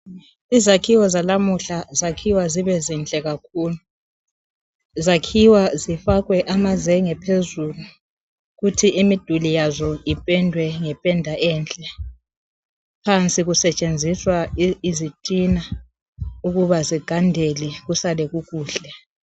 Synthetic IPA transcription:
izakʰiwɔzalamuɬazakʰiwaziβɛzint͡ɬʼɛɣakʰuːlu | zakʰiwazifaɣwɛʔamazɛŋɛpʰezulu | ɣutʰiʔimid̥ʱulijazɔipʼɛndʱwɛŋɛpʼɛndʱaʔɛːnt͡ɬʼɛ | pʰant͡sʼiɣusɛt͡ʃʼend͡zʱiswaizitʼina | uɣuβaziɡ̥ʱandʱɛlɛɣusalɛɣuɣuːɬɛ

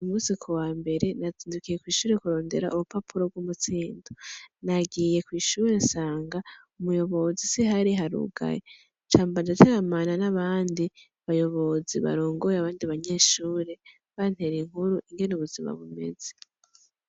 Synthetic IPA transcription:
umuzikʰowaːmbe̞ɾe̞naziːndukije̞kwiːʃuːɾe̞kuɾo̞ːnde̞ɾaʔuβupapʰuɾo̞b̚ɡumut͡siːndonaɡije̞kwiːʃuːɾe̞nsaːŋɡaumujo̞βo̞zisiɦaɾiɦaɾṵɡa̰je | t͡ʃaːmband͡ʒateɾamananaβaːndi | βajo̞βo̞ziβa̰ɾoːŋɡojeaβaːndiβaɲe̞ːʃuːɾe̞ | βan̥he̞ɾiŋ̥uɾuʔiŋɡe̞nuβuzima̰βume̞̰z̥e

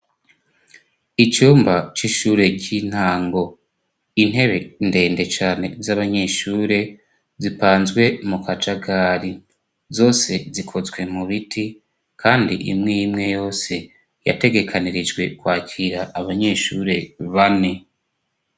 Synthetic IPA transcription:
it͡ʃuːmbat͡ʃiʃuːɾe̞ɟin̥haːŋɡo̞ | in̥he̞βe̞nde̞ːnde̞t͡ʃaːne̞zaβaɲe̞ːʃuːɾe̞ | zipaːnzɡwe̞mukʰat͡ʃaɡaːɾi | zo̞ːse̞zikʰo̞zɡwe̞muβitʰi | kʰaːndḭʔḭmŋijimŋe̞jo̞ːse̞ | ja̰te̞ɡe̞kʰaniɾid͡ʒɡwe̞kwaːcʰiɾaʔːβaɲe̞ʃuːɾe̞βane̞

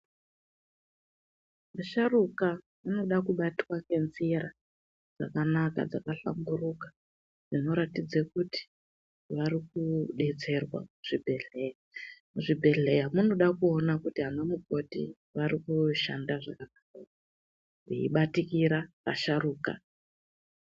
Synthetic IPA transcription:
maʃaruka | muno̞ɗakuɓatiwake̞nziɾa | d͡zakanaka̰d͡zakaɬa̰ŋɡuruka | d͡zino̞ɾatid͡zekuti̥ | ʋaɾikuɗe̞t͡se̞rwa̰muʐ̥ibʱeɮejamuʐibʱe̞ɮe̞jamuno̞ɗakuo̞nakutiɦanomuko̞tḭ | ʋaɾikuʃandaʐakakaaa | rḭḭɓatikiɾaka̰ʃaɾuːka̰

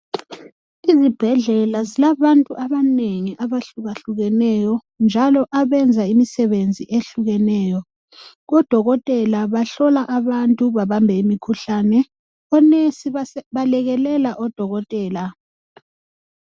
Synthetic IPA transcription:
izib̥ʱɛɮɛlazilaβantʼuʔaβaneŋiʔaβaɬuɣaɬuɣɛnɛjɔ | nd͡ʒʱalɔʔaβɛnd͡zʱaimisɛβend͡zʱiʔeɬuɣɛnɛːjɔ | ɣɔd̥ʱɔɣɔtʼɛlaβaɬɔlaʔaβantʼuβaβambʱɛimikʰuɬanɛ | ɔnesiβalɛɣɛlɛlaʔɔd̥ʱɔɣɔtʼɛːla

